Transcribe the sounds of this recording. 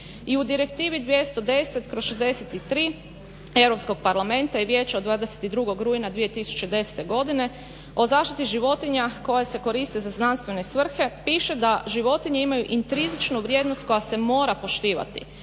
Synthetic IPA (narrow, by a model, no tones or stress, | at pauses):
iud̪iɾe̞kt̪iːʋid̪ʋje̞st̪o̞d̪e̞set̪kɾosʃezd̪e̞se̞t̪it̪ɾiː | e̞wɾo̞psko̞ɡ̚paɾlˠame̞nt̪aiʋje̞ːt͡ɕaod̪ʋaːd̪eset̪id̪ɾuɡo̞ɡɾuinad̪ʋije̞t̪isu̥t͡ɕe̞d̪e̞se̥t̪e̞ɡo̞d̪ine̞ | o̞zaːʃt̪it̪iʒiʋo̞t̪iɲako̞jase̞ko̞ɾist̪ezaznanst̪ʋe̞ne̞sʋr̩xe̞piːʃe̞d̪aʒiʋo̞t̪iɲeimajuʔint̪ɾizit͡ʃnuʋɾje̞d̪no̞st̪̚ko̞jase̞mo̞ːɾapo̞ʃt̪iːʋa̰t̪ḭ